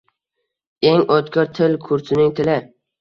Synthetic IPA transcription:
eŋot̪kʲɔɾt̪ʰɪlkʰʊɾsʰɪnɪŋt̪ʰɪlɪ

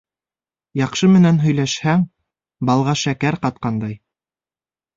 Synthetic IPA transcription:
jɑqʃɤmɘ̆nænɦɵ̆jlæʃhæŋ | bɑlˠʁɑʃækæɾqɑt̪̚qɑnd̪ɑj

